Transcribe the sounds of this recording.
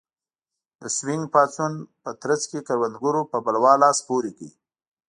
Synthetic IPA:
d̪əswɪŋɡpɑt͡sunpət̪ɾət͡skekaɾwand̪ɡʊɾopəbalwɑlɑspoɾikəi

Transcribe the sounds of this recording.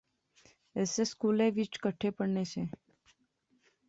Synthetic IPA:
eseskuleʋit͡ʃkəʈʰepəɳnet͡ʃʰe

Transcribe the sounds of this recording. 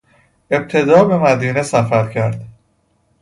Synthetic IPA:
e̞b̚t̪ʰe̞d̪ɒːbe̞mæd̪iːnesæfæɾcʰæɾd̪

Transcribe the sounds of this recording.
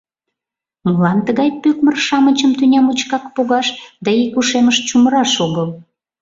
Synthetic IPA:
məlɑnt̪əɣɑjpøkmərʃɑmət͡ɕəmt̪ynʲɑmut͡ɕkɑkpoɣɑʃd̪ɑikuʃeməʃt͡ɕuməɾɑʃoɣəl

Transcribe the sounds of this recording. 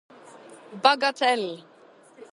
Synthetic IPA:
baɡatʰɛl

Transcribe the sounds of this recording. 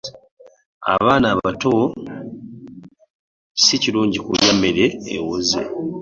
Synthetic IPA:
a̰βaːnaβato | siciluːɲɟikuljamːeɾḛːwozḛ

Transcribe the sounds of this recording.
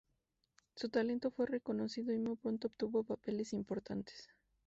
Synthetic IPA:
sut̪ale̞nt̪o̞fwe̞re̞ko̞no̞siðo̞imujpɾo̞nt̪oːpt̪uβo̞pape̞le̞simpo̞ɾt̪ʰant̪e̥s

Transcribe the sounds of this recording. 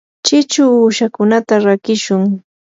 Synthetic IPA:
t͡ʃɪt͡ʃʊuːʃakʊnat̪aɾakɪʃʊŋ

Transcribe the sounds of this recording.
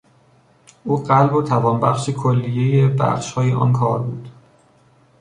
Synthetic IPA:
ʔuːɢælbot̪ʰævɒːnbæxʃekʰolːijejebæ̰xʃhɒːjeʔɒ̰nkʰɒːɾbuːd̪̥

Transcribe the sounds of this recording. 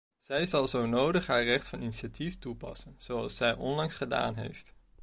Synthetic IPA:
z̥ɛjzɑlˠzownowdəχɦaːɹrɛχtfɑniniʃatiftupɑ̰sənz̥owɑlˠsɛjʔɔ̰nlɑŋsχəda̰ːnɦḛjft

